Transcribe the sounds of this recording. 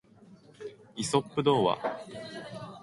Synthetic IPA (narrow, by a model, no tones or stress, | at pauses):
iso̞pːɯ̟d̪o̞ːβa̰